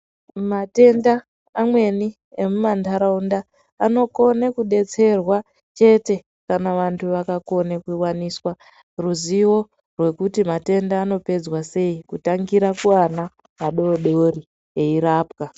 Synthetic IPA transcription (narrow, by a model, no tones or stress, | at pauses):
mate̞ndaː | mwe̞ni | emumandʰʱaɾaundaː | no̞ko̞nekuɗe̞t͡se̞rwa | t͡ʃe̞te̞ | kanaʋantʰuʋakako̞nekiwaniswa | ruziwo̞ | rwe̞kutimate̞ndaːno̞pe̞d͡zwase̞ikutaŋɡiɾakuwana | maɗo̞ɗo̞ri | e̞iɾaːpka